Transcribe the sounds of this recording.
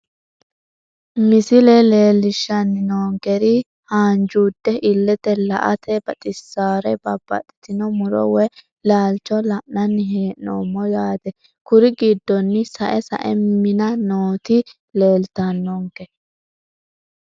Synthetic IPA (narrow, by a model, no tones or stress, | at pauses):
mɪsɪlɛle̞ːlɪʃːɐnːɪnoːŋɡɛɾɪ | haːnd͡ʒuːd̪ːɛʔɪlːɛt̪ɛlɐ̰ʔɐ̰t̪ʰɛbɐt̪ʼɪsːaːɾɛbɐb̥ːɐ̰t̪ʼɛ̥t̪ɪnɔmʊɾɔ̰wɛ | laːlt͡ʃɔlɐʔnɐnːɪɦeːʔno̰mːɔjaːd̪ɛ | kʊɾɪɡɪd̪ːɔnːɪsɐʔɛsɐ̰ʔɛmɪnɐnoːt̪ɪ | le̞ːlt̪ɐnːoŋɡɛ